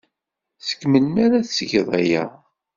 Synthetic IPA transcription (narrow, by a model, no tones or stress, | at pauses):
θə̥kːməlmaɾaθsəʝðˤæjæ̰